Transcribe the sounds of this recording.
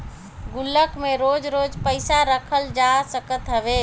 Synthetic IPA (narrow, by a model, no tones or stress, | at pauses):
ɡulːəkmeɾod͡ʒɾod͡ʒpəɪsaɾəkʰəld͡ʒasəkət̪ɦəbe